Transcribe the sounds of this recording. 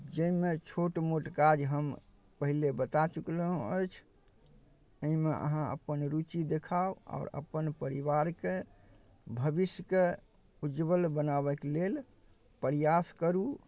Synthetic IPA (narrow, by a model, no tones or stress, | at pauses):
d͡ʒəimet͡ʃʰoʈmoʈkad͡ʒɦəm | pəɦilebət̪at͡ʃukləɦũəjt͡ʃʰ | əɦimeʔə̰ɦãə̰pənɾut͡ʃid̪ekʰaoa̰ɔɾə̰pənpəɾiʋaɾke | bʱəbisjəke | ud͡ʒbəlbənaβɛklel | pəɾijaskəɾu